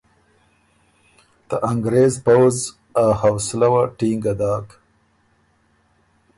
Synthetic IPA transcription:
d̪̥əʔaŋɡɾeːzpawz | ahawslawaʈiŋɡad̪ɑːk

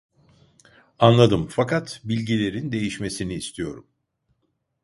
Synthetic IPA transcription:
anlˠad̪ɯmfakat̪bilʲɟilʲe̞ɾind̪e̞jiʃme̞siniːst̪ʰijo̞̰ɾṵm

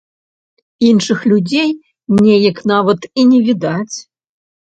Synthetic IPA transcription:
inʂɨxlʲud͡zʲej | nʲɛjɐknavɐt̪inʲɛvʲid̪at͡sʲ

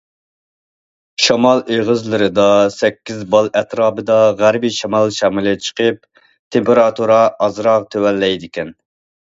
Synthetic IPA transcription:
ʃɑmɑlˠeʁəzlˠɨɾɨd̪ɑsɛkʲːizbɑlˠɛt̪ʰɾɑːbɨd̪ɑʁæɾbijʃɑmɑlˠʃɑmɨlˠɨt͡ʃʰə̥qʰəp̚ | t̪ʰempeɾɑt̪uɾɑɑzɾɑʁt̪ʰewɛlːɛjd̪ɪkʲɛn

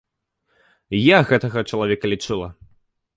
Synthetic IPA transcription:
jaɣɛt̪ɐɣɐt͡ʂɐlˠavʲɛkɐlʲit͡ʂɨlˠɐ

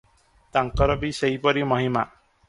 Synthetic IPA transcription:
t̪aŋkɔɾɔbiseɦjpɔɾimɔɦima

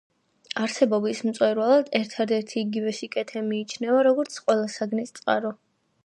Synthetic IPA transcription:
aɾsɛbɔbismt̪sʼwɛɾwalˠad̪ɛɾt̪ʰad̪ɛɾt̪ʰiːɡivɛsikʼɛt̪ʰɛmiːt͡ʃʰnɛvaɾɔɡɔɾt̪sʰqʼwɛlˠasaɡnist̪sʼqʼa̰ɾɔ

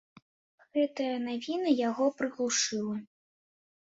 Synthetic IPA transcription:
ɣɛt̪ɐjɐnavʲinɐjaɣɔpɾɨɣlˠuʂɨlˠɐ

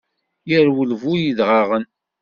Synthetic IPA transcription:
jəɾwəlvujiðʁɑʁən

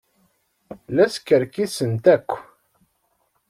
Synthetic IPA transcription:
læskəɾkisənt̪ækʷː

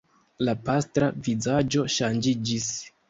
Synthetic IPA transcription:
lapastɾavizad͡ʒo̞ʃand͡ʒid͡ʒis

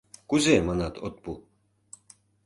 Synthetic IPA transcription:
kuzʲemɑnɑt̪ʰot̪̚pu

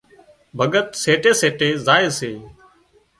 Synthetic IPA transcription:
bʱəɠət̪seːʈeːseːʈeːzaːeːseː

